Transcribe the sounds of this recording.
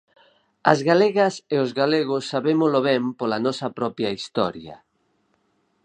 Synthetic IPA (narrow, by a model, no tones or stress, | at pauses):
ɐ̰zɣaleɣɐseozɣaleɣosːaβemoloβɛmpolanɔsɐpɾɔpjaist̪ɔ̰ɾjɐ̰